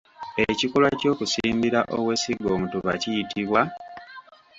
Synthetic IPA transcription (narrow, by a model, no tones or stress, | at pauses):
e̞cikolwaco̞ːkusiːmbiɾaʔowe̞ːsiɡo̞ːmutuβacijitʰiβwa